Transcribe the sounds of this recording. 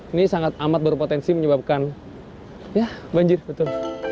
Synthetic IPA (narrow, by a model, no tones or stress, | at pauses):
nisaŋat̪̚amat̪̚bəɾpot̪ɛnsiməɲəbap̚kan | jabaɲd͡ʒɪrbət̪ʊl